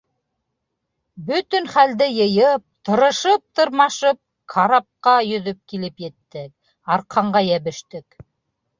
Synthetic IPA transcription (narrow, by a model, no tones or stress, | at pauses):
bɵt̪ɵ̆nχæld̪ɘjɤ̆jɤp̚t̪ɤ̆ɾɤ̆ʃɤp̚t̪ɤ̆ɾmɑʃɤp̚ | kʰɑɾɑp̚qɑjɵ̆ðɵp̚kilɘpjɘ̆t̪ːɘk̚ | ɑɾqʰɑɴɢɑjæβɘ̆ʃt̪ɘk